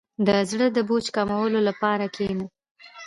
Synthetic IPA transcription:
d̪əzɽəd̪əbot͡ʃkamawəlolapɑɾakena

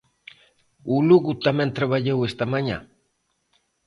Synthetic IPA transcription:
uluɣut̪ament̪ɾaβaʎewest̪amaɲa̰

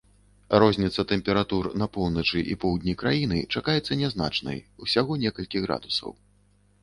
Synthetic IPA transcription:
ɾɔzʲnʲit̪sɐt̪ɛmpʲɛɾat̪urnɐpɔwˠnɐt͡ʂɨʔḭpɔwd̪ʲnʲikɾajinɨ̰t͡ʂakajɛt̪sːɐnʲɛzna̰t͡ʂnɐ̰jusʲaɣɔnʲɛkɐlʲkʲiɣɾa̰d̪usɐ̰w

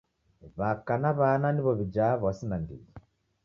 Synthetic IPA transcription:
βakanaβananiβɔβid͡ʒaβasinandḭi

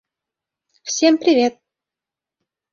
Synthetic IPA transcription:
fsʲempɾʲivʲet̪̚

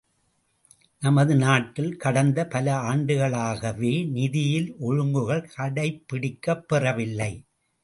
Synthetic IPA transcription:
nɐmɐðɯnaːʈːɪlkɐɽɐnd̪ɐpɐlɐaːɳɖɯɣɐɭaːɣɐʋeːnɪðɪjɪlʔɔɻɯŋɡɯɣɐɭkʰɐɽɐɪpːɪɽɪkːɐpːɛrɐʋɪlːɐɪ

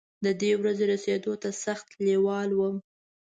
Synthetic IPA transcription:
d̪əd̪ewɾazeɾased̪ot̪asaxt̪lewɑlwəm

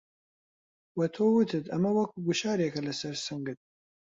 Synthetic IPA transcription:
wɐt̪ʰoːwɨt̪ʰɨt̪ʰɐmɐwɐkʰuɡuʃɑːɾekʰɐlɐsɐɾsɨŋɡɨt̪̚

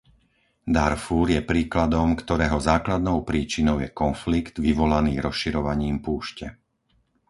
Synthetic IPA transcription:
d̪aɾfuːɾjɛpɾiːklad̪ɔmkt̪ɔɾɛːɦɔzaːklad̪nɔʊpɾiːt͡ʃinɔʊjɛkɔnfliɡd̪ʋiʋɔlaniːɾɔsʃiɾɔʋaɲiːmpuːʃcɛ

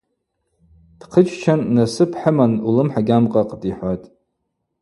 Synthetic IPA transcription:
d̥qʰət͡ʃʰʼt͡ʃʰanːasɨpʰħəmanulɨmħaɡʲamqʼaqʼdiħʷatʼ

